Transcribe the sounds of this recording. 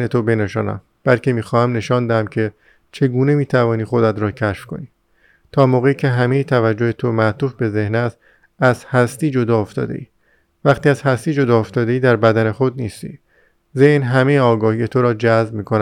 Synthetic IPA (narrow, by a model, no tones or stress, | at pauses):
net̪obe̞neʃɒːnæ̰m | b̥ælcʰe̞miːxɒːhæmne̞ʃɒːnd̪æhæmcʰe̞ | t͡ʃʰe̞ɡuːne̞miːt̪ʰævɒːniːxo̞d̪æt̪ɾɒːcʰæʃfko̞̰niː | t̪ʰɒːmoːɣeiːcʰe̞ɦæme̞jiːt̪ʰævæd͡ʒːo̞he̞t̪ʰomæt̪uːfbe̞ze̞hnæs | æz̥hæst̪iːd͡ʒo̞d̪ɒːoft̪ɒ̰ːd̪e̞̰ʔiː | væχt̪iːæz̥hæst̪iːd͡ʒo̞d̪ɒːoft̪ɒːd̪e̞iːd̪æɾbæd̪æne̞xo̞d̪̚niːst̪ḭː | zehnɦæme̞jeɒːɡɒːhije̞t̪ʰoɾɒːd͡ʒæzbmiːkʰonæ